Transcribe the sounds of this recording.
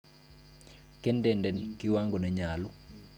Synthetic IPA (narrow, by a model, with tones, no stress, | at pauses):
ke˦ndɛ˨ndɛ˨nkiwa˦ŋɡo˨nɛ˨ɲa˨lu˦